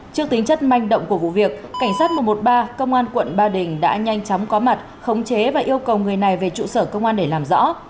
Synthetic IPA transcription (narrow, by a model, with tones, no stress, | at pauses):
t͡ɕɨ˦˥ək̚t̪i˨˦ŋ̟t͡ɕə˦˥t̚ma˧jŋ̟ɗə̰˧˨wŋ͡mku˧˩əvṵ˧˨vi˨˩ək̚ːa˧˩jŋ̟saː˦˥t̚mu˨˩mo˨˩t̚ɓaː˧kə˧wŋ͡mʔaː˧nkwə̰˧˨nɓaː˧ɗï˨˩ŋ̟ɗa̰ː˧˥ɲa˧jŋ̟t͡ɕɔ˨˦wŋ͡mkɔ˨˦ma˨˩t̚ | xə˨˦wŋ͡mt͡ɕe˨˦vaː˨˩ʔi˧əwkə˨˩wŋɨ˨˩əjna˨˩jve˨˩t͡ɕṵ˧˨səː˧˩kə˧wŋ͡mʔaː˧nɗe˧˩laː˨˩mzɔ̰˧˥